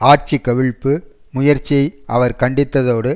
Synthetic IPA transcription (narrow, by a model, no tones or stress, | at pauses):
aːɾt͡ʃɪkːɐʋɪɭpːɯ | mʊjɐɾt͡ʃːijɐɪʔɐʋɐɾkɐɳɖɪt̪ːɐðoːɽɯ